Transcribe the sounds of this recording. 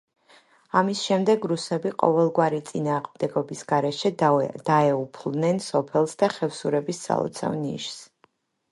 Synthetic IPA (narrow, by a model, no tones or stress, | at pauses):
amisʃɛmd̪ɛɡɾusɛbiqʼɔ̰vɛlˠɡwaɾit̪sʼinaːʁmd̪ɛɡɔbisɡ̥aɾɛʃɛd̪̥aɛupʰlˠnɛnsɔpʰɛlˠsd̪aχɛfsuɾɛbisːa̰lˠɔ̰t̪sʰa̰vnḭʃs